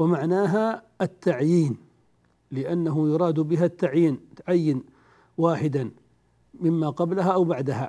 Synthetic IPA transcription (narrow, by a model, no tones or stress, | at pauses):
wamaʕnaːɦa | at̪ːaʕjiːn | lɪʔanːaɦʊjʊɾˤɑːd̪bɪɦat̪ːaʕjiːnt̪ʕajːɪn | waːħɪd̪an | mɪmːaqɑblaɦaʔawbaʕd̪aɦa̰